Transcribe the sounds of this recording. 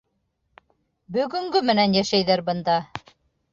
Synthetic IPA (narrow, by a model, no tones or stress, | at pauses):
bɵ̆ɡɵ̆ŋɡɵmɘ̆nænjæʃæjðæɾbɤ̆nd̪ɑ